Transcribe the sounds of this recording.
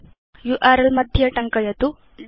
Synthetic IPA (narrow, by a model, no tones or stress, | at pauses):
juʔaːɾɐlmɐd̪ʱjɐʈɐŋkɐjɐt̪u